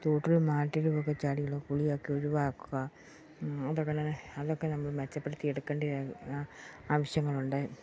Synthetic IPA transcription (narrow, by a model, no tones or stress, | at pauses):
t̪oːʈːilmaːʈːiɾuʋokːet͡ɕaːɽiɐɭoːkuɭijoːkːioɾuʋaːkːuɣɐ | ɐðokːenanɐðokːenɐmːɐɭmet͡ɕːɐpːeɽut̪ːieɽukːeːɳɖi | aːʋɐɕjɐŋːɐɭuɳɖɨ